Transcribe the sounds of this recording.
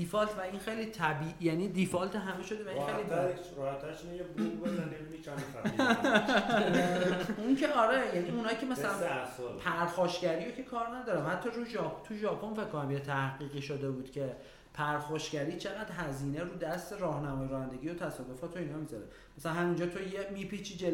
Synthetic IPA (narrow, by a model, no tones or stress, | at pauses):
d̪ifɒlt̪ʰvæinxejliːt̪ʰæbiːʔjæniːd̪ifɒlt̪ʰeɦæmeʃod̪evæiineliɾe | ɾɔhæt̪ʰːæɾʃinejebubozaneminit͡ʃʰame | uŋkʰeɒɾejæniunɒːjicʰemæsælænspʰæɾxɒːʃcæɾijocʰe̞kʰɒːɾnæd̪ɒːɾæmhæt̪ʰːɒruʒɒt̪ʰuʒɒːpʰo̞nfe̞ckːonæmjet̪ʰæhɡiːɣiːʃod̪e̞buːd̪̥cʰe̞ | pʰæɾxɒʃcæɾiːt͡ʃʰe̞ɣæd̪̥ɦæziːneɾuːd̪æst̪e̞ɾɒːhnæmɒjeɾɔːhænd̪e̞ɡiːot̪ʰæsɒːd̪o̞fɒːt̪ʰo̞iːnɒːmizɒɾḛ | mæsælænhæmind͡ʒɒːt̪ʰojemipʰit͡ʃʰid͡ʒel